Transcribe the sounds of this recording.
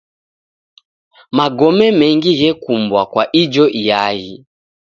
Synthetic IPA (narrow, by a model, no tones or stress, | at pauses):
maɡɔmɛmɛŋɡiɣɛkumbwakwaʔid͡ʒɔʔijaɣi